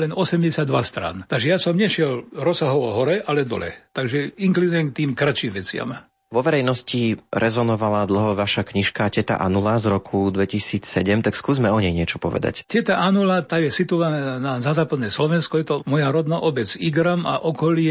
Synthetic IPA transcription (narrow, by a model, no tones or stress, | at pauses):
lɛnɔsɛmɟɛsɪad̪ːʋast̪ɾa̰nt̪aɡʒɛjasɔmɲɛʃɪɛlɾɔsaɦɔʋɔɦɔɾɛʔalɛd̪ɔ̰lɛ̰t̪aɡʒɛiŋklid̪ʊjɛŋk̚t̪iːmkɾat͡ʃiːmʋɛt͡sɪa̰m | ʋɔʋɛɾɛjnɔsciɾɛzɔnɔʋalad̪l̩ˠɦɔʋaʃakɲiʃkacɛt̪a̰ʔa̰nulazɾɔkʰud̪ʋɛcisiːt͡ssɛɟɛmt̪akskuːzmɛɔɲɛjɲɪɛt͡ʃɔpɔʋɛ̰d̪a̰ccɛt̪aʔanulat̪aːjɛsit̪ɔʋanaːnazazaːpad̪nɛːslɔʋɛnskɔjɛt̪ɔmɔjaɾɔd̪naːʔɔbɛt͡siɡɾama̰ʔɔkɔlɪɛ